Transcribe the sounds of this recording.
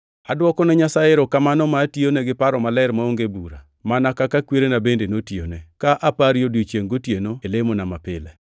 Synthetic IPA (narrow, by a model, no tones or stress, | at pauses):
adwɔkɔnɛɲasaɪɾɔkamanɔmationɛɡɪpaɾɔmalɛɾmaoŋɡebuɾa̰ | manakakakweɾenabendenotjo̰nekaʔapaɾjodot͡ʃjeŋɡotjenoelemonamapɪ̰lɛ